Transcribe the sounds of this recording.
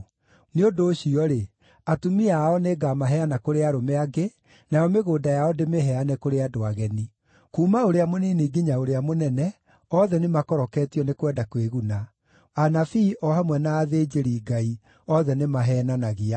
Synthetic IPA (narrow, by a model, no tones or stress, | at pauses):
neodoːɕiɔɾe | atumiaɔneɡamaɦɛanakoɾeaɾomeaɡe | najɔmeɣoːdajaɔdemeɦɛanɛkoɾeadoaɣɛni | kuːmaoɾeamoniːniɡiɲaoɾeamonɛnɛ | ɔðɛnemakɔɾɔkɛːtiɔnekwɛdakweɣuna | anafiːʔɔhamwɛnaːðeːd͡ʒeɾiːɡai | ɔðɛnemaɦɛːnanaɣia